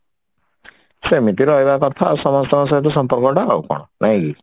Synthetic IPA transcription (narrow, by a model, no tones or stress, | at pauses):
semit̪iɾɔebakɔt̪ʰasɔmɔst̪ɔmɔs̬at̪usɔmpɔɾkɔʈaa̰ṵkɔ̰ɽ̃ɔnʔaɦj̃ki